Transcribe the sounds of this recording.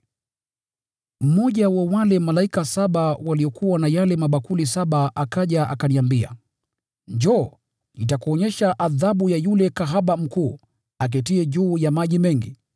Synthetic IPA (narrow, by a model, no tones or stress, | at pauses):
m̩mɔʄawawalɛmalaikasaɓawaliɔkuwanajalɛmaɓakulisaɓaʔakaʄaʔa̰kaniambia̰ | ɲd͡ʒɔ | nitakuɔɲɛʃaʔaðaɓujajulɛkaɦaɓam̩kuː | ak̬ɛtiɛʄuːjamaʄimɛŋɡi